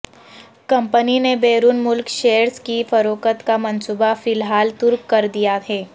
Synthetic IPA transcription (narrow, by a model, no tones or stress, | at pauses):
kɐ̃mpəninebeːɾunmʊlkʃeːəɾskifɐɾoːkət̪kamɐ̃nsuːbafɪlɦaːlt̪ʊɾkːɐɾd̪ijaɦɛː